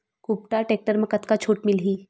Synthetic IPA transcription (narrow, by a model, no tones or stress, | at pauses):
kupʈaʈeːk̚ʈəɾmẽkət̪kat͡ʃʰoːʈmɪlɦiː